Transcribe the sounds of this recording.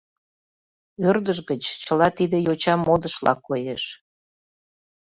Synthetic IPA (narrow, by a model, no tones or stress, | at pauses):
ørd̪əʃɣət͡ɕt͡ɕəlɑt̪id̪ejot͡ɕɑmod̪əʃlɑ̰kːojeʃ